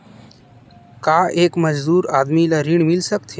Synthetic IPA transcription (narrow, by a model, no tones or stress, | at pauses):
kaːʔeːkməd͡ʒd̪uːɾaːd̪milaɾiɳ̃milsəkt̪ʰe